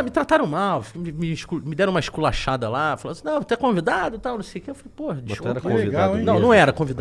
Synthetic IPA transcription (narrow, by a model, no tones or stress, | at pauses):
mɪt̪ɾat̪aɾɐ̃w̃mawmɪmɪʃkumɪd̪ɛɾɐ̃umɐiʃkulaʃad̪ɐlafalɐ̃nsĩnɐ̃w̃vot̪ɛ̃kõvid̪ad̪ʊt̪awnɐ̃w̃sejʊkeewfalejpohɐd͡ʒiɐʃɛɾɐkõvvid̪aw̃nɐ̃w̃nɐ̃w̃ɛɾɐkõvid̪a